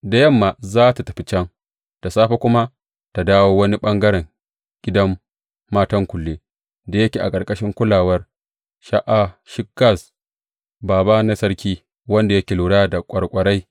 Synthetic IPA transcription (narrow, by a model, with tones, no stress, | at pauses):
da˨jɐ˦mːa˨zaː˦ta˨tɐ˨ɸi˨t͡ʃɐ˦ŋ | ta˨saː˦ɸa˦kʷʊ˦ma˦ | ta˨daː˦woː˦wɐ˦ni˦ɓɐ˦ŋɡɐ˦ɾɛ˨ŋ | ɡ̥ʲɪ˦dɐ˦mː | aː˦tɐ˦ŋkʷʊ˨lːeː˦ | da˨jɐ˦kʲeː˨ʔa̰˨kʼɐ˨ɾkʼɐ˦ʃɪ˦ŋkʷʊ˦laː˨wɐ˦r | ʃa˦ʔa˨ʃɪ˦kːa˦˨s | baː˨ba˦na˦sɐ˦ɾkʲiː˦ | wɐ˦nda˨jɐ˦kʲeː˨luː˨ɽaː˦da˨kʷʼɐ˨ɽkʷʼɐ˨ɽa˦j